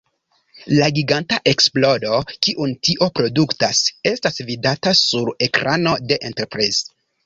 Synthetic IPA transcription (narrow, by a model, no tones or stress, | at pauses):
laɡiɡantaʔe̞ksplo̞do̞kiʔuntiʔo̞pɾo̞duktase̞stasvidatasuɾe̞kɾʔano̞de̞ʔenteɾpɾez